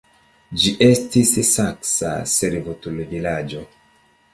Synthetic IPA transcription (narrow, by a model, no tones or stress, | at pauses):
d͡ʒiʔe̞stissaksa̰seɾvotulvilad͡ʒo